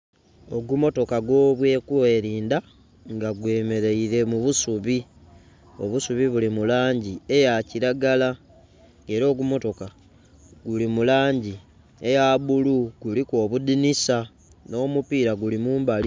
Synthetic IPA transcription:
o̞ɡumo̞to̞kaɡwo̞ːβwe̞ːkwe̞ːɾiːnda | ŋɡaɡwe̞ːme̞ɾe̞iɾe̞muβusuβi | o̞̰βusuβiβulimulaːɲɟie̞jaciɾaɡala | ŋe̞ɾo̞ːɡumo̞to̞ka | ɡulimulaːɲɟi | e̞jaβuluɡ̥ulikoːβudinisa | no̞ːmupiːɾaɡulimuːmbali

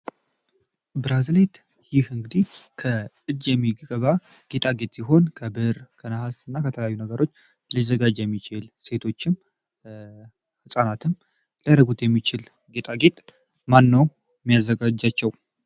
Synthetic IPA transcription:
bɨɾazlet̪ | jɪhɨŋɡɨd̪ikʰə | ɨd͡ʒːjɛmːiɡɡəβa | ɡ̥e̞t̪ʼaɡe̞t̪ʼsiɦo̞nkʰəbɨɾkʰənəhasɨnːakət̪ʰələjajːunəɡəɾo̞t͡ʃː | lizəɡad͡ʒjɛmːit͡ʃʰɪlse̞t̪ʰo̞t͡ʃːɪm | hɨsʼanat̪ʰɨm | ləɾəɡut̪jɛmːit͡ʃɪl | ɡe̞t̪ʼaɡe̞t̪ʼ | manːəw | jmːijazːəɡad͡ʒːat͡ʃːɛw

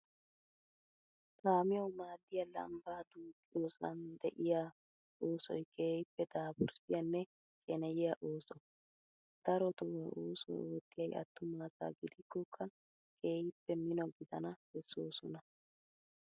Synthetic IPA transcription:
saːmɪjɐwmaːd̪ːɪjɐlɐ̰mbaːd̪uːkʼɪjoːsɐ̰nd̪ɛʔɪjaː | oːsɔ̰jkʰʼe̞ːjɪpːɛd̪aːbʊɾsɪjɐnːɛ | kʼɛnɛjɪjaʔoːsɔ | d̪̥ɐɾɔt̪ɔwɐoːsɔ̰oːt̪ːɪjɐjɐ̰t̪ːʊmaːza̰ːɡɪd̪ɪkːɔkʰːɐ | kʰʼe̞ːjɪpːɛmɪnɔɡɪd̪ɐnɐhɛsːoːsʊnɐ

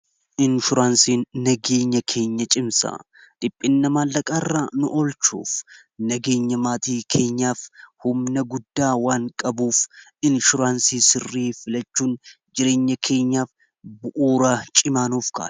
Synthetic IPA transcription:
ʔɪnʃʊɾaːnsiːnːɐɡe̞ːɲːɐkʰe̞ːɲːɐt͡ʃʼɪmsɐ̰ | d̪̥ɪpʼːɪnːɐmaːnːɐkʼaːrːaːnʊʔɔlt͡ʃṵːf | nɐɡe̞ːɲːɐmaːt̪iːkʰe̞ːɲːaːfhʊmnɐɡʊd̪ːaːwaːŋkʼɐbuːfɪnʃʊɾaːnsiːsɪrːiːfɪlɐt͡ʃːuːn | d͡ʒɪɾe̞ːɲːɐkʰe̞ːɲːaːf | bʊʔuːɾaːt͡ʃʼɪmaːnuːfka̰̥ː

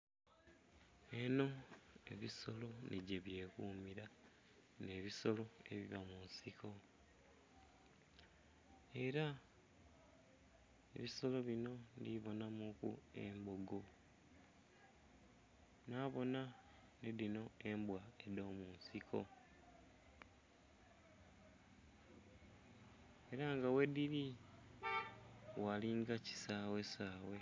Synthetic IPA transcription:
e̞no̞e̞̰βiso̞lo̞neɟeβje̞ːkuːmiɾa | ne̞ːβiso̞lo̞e̞̰βiβamunsiko̞ | e̞ɾa | eβiso̞lo̞βino̞ndiβo̞namukṵe̞̰mboɡo̞ | naːβo̞na | neðino̞e̞mbwae̞do̞ːmuːnsikʰo̞̰ | eɾaŋɡawe̞diɾi | waliŋɡaci̥saːwe̞saːwe̞

